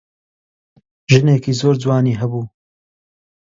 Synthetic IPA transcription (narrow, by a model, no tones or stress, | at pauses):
ʒɨneːkiːzoːɾd͡zwɑːniːɦɐbuː